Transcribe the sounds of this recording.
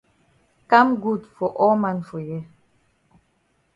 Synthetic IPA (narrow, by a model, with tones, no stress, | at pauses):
ka˦mɡu˦˨dfɔ˨ʔɔ˦ma˦˨nfɔ˨jɛ˦